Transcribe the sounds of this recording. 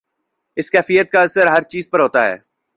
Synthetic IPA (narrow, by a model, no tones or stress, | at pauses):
ɪskɛːfijət̪̚kaɐsəɾɦɐɾt͡ʃiːzpəɾɦoːt̪aɦɛ̰ː